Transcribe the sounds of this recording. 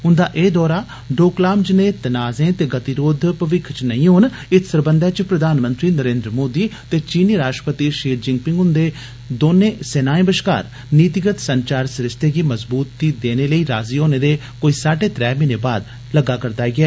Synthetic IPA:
ɦʊnd̪aːʔeːd̪ɔːɾaː | ɖoːklaːmd͡ʒɪnẽːt̪ənaːzẽːt̪eːɡət̪iɾoːd̪ʱpəʋɪkʰt͡ʃnəĩːɦoːn | ɪt̪ʰsəɾbənd̪ɛːt͡ʃpɾəd̪aːnmənt̪ɾiːnəɾẽːnd̪ɾəmoːd̪iːt̪eːt͡ʃiːniːɾaːsʈɾəpət̪iːʃiːɾd͡ʒɪŋɡ̚pɪ̃ŋɡʊnd̪eː | d̪oːnẽːsɛnaːẽːbəʃka̰ːɾ | niːt̪ɪɡət̪səɲt͡ʃaːɾsɾɪst̪eːɡiːməzbuːt̪̚ːiːd̪eːneːləiːɾaːziːɦoːneːd̪eː | koːiːsaːʈeːt̪ɾɛːmɪneːbaːd̪ | ləɡaːkəɾd̪aːɡɪɛː

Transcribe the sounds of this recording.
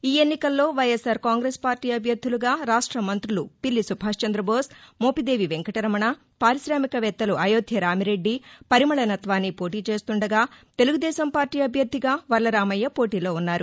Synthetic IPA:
iːe̞nːikɐlːo̞ːʋɐjesaːɾkaːŋɡɾeːspaːɾʈiːɐbʱjɐɾd̪ʱːuluɡaːɾaːʂʈɾɐmɐnt̪ɾulṵpilːisubʱaːʂt͡ʃɐnd̪ɾɐbo̞ːsmo̞ːpid̪e̞ːʋiʋe̞ŋkɐʈɐɾɐmɐɳɐ | paːɾiʃɾaːmikɐʋɛt̪ːɐluʔɐjoːd̪ʱjɐɾaːmiɾe̞ɖːipɐɾimɐɭɐnɐt̪ʋaːnːipo̞ːʈiːt͡ʃe̞ːst̪uɳɖɐɡaːt̪eluɡud̪ɛːʃɐmpaːɾʈiːɐbʱjɐɾd̪ʱːiɡaːʋɐɾlɐɾaːmɐjːɐpo̞ːʈiːlo̞ːunːaːɾu

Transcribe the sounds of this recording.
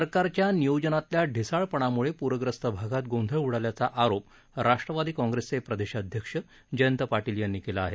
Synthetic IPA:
əɾkaɾt͡ɕjanijod͡ʑənat̪ljaɖʱisaɭpəɳ̃amuɭepuɾʋəɡɾəst̪əbʱaɡat̪̚ɡõnd̪ʱəjuɽaljat͡saʔaɾop | ɾaʂʈɾəʋad̪iːkɔ̃ŋɡɾest͡sepɾəd̪eɕəd̪ʱjəkʂə | d͡ʑəjənt̪əpaʈiljənːikelaːɦe

